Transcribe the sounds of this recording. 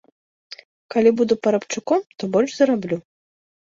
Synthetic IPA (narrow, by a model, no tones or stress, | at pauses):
kalʲibud̪upɐɾɐpt͡ʂɨkɔmt̪ɔbɔlʲʐzɐɾablʲu